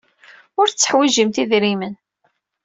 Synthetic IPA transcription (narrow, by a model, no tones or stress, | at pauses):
ʊɾt͡sːə̥ħwiʒəmt̪iðɾimən